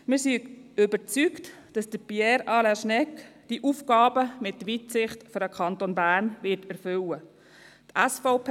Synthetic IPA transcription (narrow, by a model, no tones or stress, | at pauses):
mɪːɾsiʏbəɾt͡sykt | d̥ɑsd̥əpjɛːɾɑːlaʃnɛkd̥iʔuːfkɑːbəmɪtːʋitsɪχtfɔɾəkʰɑntonbæːɾnʋɪtɛɾfʏwə | t̪æsfoʊpʰː